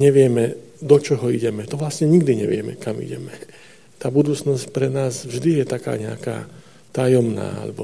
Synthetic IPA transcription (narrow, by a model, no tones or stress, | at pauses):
ɲɛʋɪɛmɛ | d̪ɔt͡ʃɔɦɔiɟɛmɛt̪ɔʋlasɲɛɲiɡd̪iɲɛ̰ʋɪɛmɛ̰kamḭɟɛmɛ | t̪aːbud̪uːt͡snɔscpɾɛnaːsvʒd̪ijɛt̪aka̰ːɲɛa̰ka̰ː | t̪ajɔmna̰ːa̰lɛ̰bɔ